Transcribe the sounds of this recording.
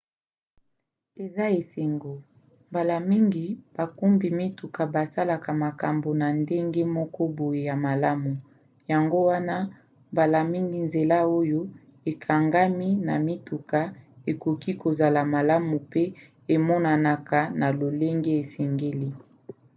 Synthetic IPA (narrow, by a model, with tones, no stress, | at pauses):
e˨za˦e˨se˨ŋɡo˨ | mba˨la˨mi˦ŋɡi˨b̥a˨ku˦mbi˨mi˦tu˨ka˨ba˨sa˦la˨ka˨ma˨ka˨mbo˨na˨nde˦ŋɡe˦mɔ˦kɔ˦bo˨je˨ja˨ma˨la˦mu˨ | ja˨ŋɡo˦wa˦na˦ | mba˨la˨mi˦ŋɡi˨nze˨la˦o˦jo˦ | e˨kʰa˨ŋɡa˦mi˦na˨mi˦tu˨ka˨e˨ko˨ki˦ko˨za˨la˨ma˨la˦mu˨pe˦ | e˨mɔ˦na˨na˨ka˨na˨lo˨le˦ŋɡe˦e˨sɛ˨ŋɡe˦li˦